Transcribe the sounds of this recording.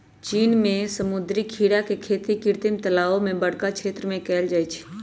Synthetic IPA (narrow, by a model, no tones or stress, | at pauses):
t͡ʃiːnmẽsəmʊd̪ɾikʰiːɽakekʰeːt̪ikɪɾt̪ɪmt̪əlaːomẽbəɽ̤kakʰt͡ʃʰeːt̪ɾəmẽkɛːld͡ʒaːit͡ʃʰ